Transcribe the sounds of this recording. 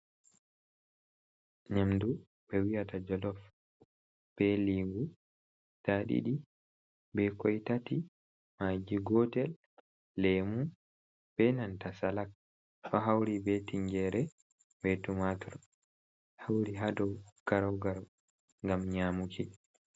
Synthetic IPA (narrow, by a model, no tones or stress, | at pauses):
ɲamdu | bɛwiatad͡ʒɔlɔf | b̥ɛliŋɡu | taɗḭɗi | bɛkɔjtati | mad͡ʒiɡɔtɛlː | ɛmu | b̥ɛnantasalak̚ | faɦawɾibɛtiɲɡɛɾɛ | bɛtumatɔɾ | hawɾiɦadɔwɡ̥aɾawɡaɾ | ŋɡamɲamuki